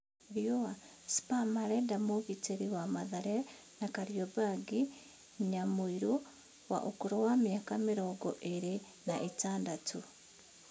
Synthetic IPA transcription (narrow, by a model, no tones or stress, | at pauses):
βjowa | si̥pamaɾedamuβiteɾiwamaðaɾe | nakaɾjobaɡi | ɲamuiɾu | wa̰ʔukuɾowamjakamiɾoɡo̰ʔeɾi | naʔitaːndatʰu